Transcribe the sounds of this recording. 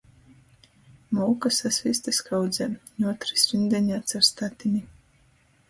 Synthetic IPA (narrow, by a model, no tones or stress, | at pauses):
mɔwkasasvist̪askʰawd̪zɛːnʲuɔt̪ɾisɾind̪ʲɛɲʲaːt̪sʲaɾst̪at̪ʲinʲi